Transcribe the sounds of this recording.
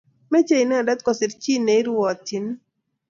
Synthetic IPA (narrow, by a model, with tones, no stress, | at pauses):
mɛ˦t͡ʃe˦i˨nɛ˦˨dɛ˦t̪̚kɔ˨sɪ˨ɾt͡ʃi˦ne˨i˦ɾɔ˨t̪i˨n˦